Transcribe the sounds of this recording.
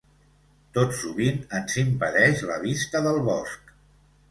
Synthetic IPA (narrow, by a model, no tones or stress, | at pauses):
t̪otsuβinənzimpəðɛʃləβist̪əðəlˠβɔsk